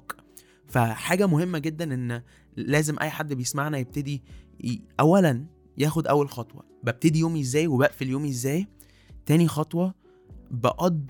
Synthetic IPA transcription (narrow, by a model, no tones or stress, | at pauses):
k | fæħaːɡæmohemːæɡed̪ːænʔenː | læːzemʔæ̰jːħad̪ːbejesmaʕnæjeb̚t̪ed̪i | ʔæwːælæn | jæːxod̪ʔæwːælxɑt̪ˤwɑ̰ | beb̚t̪ed̪ijoːmʔezːæːjwebæːʔfiljoːmʔezːæːj | t̪æːnixɑt̪ˤwɑ | beʔɑd̪ː